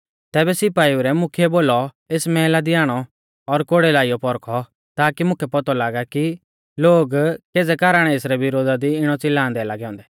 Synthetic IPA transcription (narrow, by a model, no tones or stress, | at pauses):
t̪ɛːbɛsɪpaːiuɾɛmʊkʰiɛboːlɔ | eːsmɛːlad̪iaːɽ̃ɔ | ɔɾkoɽelaːijɔpɔɾkʰɔ | t̪aːkimʊ̃kʰɛpɔt̪ɔlaːɡaki | loːɡkeːd͡zɛkaːɾaːɽ̃ɛeːsɾɛʋɪɾoːd̪ad̪iɪɽ̃ɔt͡sɪlːãːnd̪ɛlaːɡɛɔ̃ːnd̪ɛ̥